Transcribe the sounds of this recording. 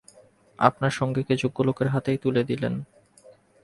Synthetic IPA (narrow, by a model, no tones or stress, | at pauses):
a̰pnaɾʃɔŋɡeked͡ʑoɡːolokeɾɦat̪ejt̪uled̪ilḛn